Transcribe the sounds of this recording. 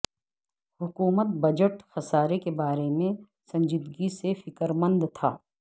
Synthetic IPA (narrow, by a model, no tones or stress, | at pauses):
hʊkuːmət̪̚bɐd͡ʒəʈxɐsaːɾekebaːɾemẽ | sɐ̃ɲd͡ʒɪd̪ɡisefɪkəɾmə̃nd̪t̪ʰaː